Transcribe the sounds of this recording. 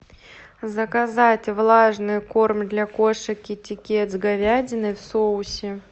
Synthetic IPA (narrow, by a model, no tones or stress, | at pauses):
zəkɐzatʲvlˠaʐnɨjko̞rmʲd̪lʲakoʂəkʲɪtʲɪkʲet̪zɡɐvʲadʲɪnɨjfsoʊsʲɪ